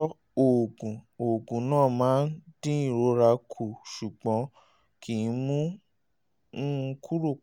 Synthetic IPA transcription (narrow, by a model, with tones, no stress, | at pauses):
o˨ɡũ˨o˨ɡũ˨nãː˦˨mãː˨˦ndĩ˦ĩ˦˨ɾo˨˧˦ɾa˧kʰu˨ʃu˨ɡ͡bɔ̃˨˦ | kʰi˨˧˦mũ˦ | kʰu˦ɾo˦˨